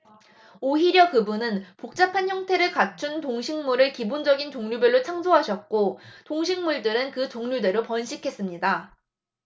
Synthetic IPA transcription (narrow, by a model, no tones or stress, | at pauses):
oɦiɾjʌkɯbunɯnpok̚t͡ɕ͈apʰançjʌŋtʰe̞ɾɯɭkat͡ɕʰuntoŋɕʰiŋmuɾɯɭkibond͡ʑʌɡintoŋɲubjʌɭːot͡ɕʰaŋsʰoɦaɕʰʌt̚k͈otoŋɕʰiŋmuɭdɯɾɯnkɯt͡ɕoŋɲude̞ɾopʌnɕʰikʰe̞s͈ɯmɲida